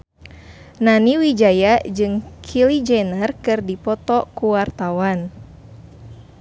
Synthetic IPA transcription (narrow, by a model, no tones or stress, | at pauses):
naniwid͡ʒajad͡ʒɨŋkʰilid͡ʒɛnərkɨrdipɔt̪ɔkuwart̪awan